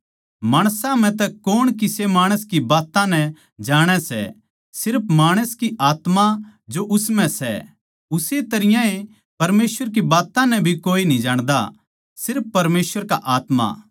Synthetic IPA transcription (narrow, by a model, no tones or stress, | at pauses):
maːɽ̃sãm̤ɛ̃t̪ɛkoːɽ̃kɪsemaːɽ̃əskibaːt̪ãnɛ̃ | d͡ʒaːɽ̃ɛsɛ̰ | sɪɾpʰmaːɽ̃əskiʔaːt̪mad͡ʒoʔʊsmɛ̃sɛ̰ | ʊset̪ɐɾɪjãe | pɐɾmeːswəɾk̬ibaːt̪ãnɛ̃bʱikoːinĩd͡ʒaːɽ̃d̪a̰ | sɪɾpːɐɾmeːsʋəɾkaʔaːt̪ma̰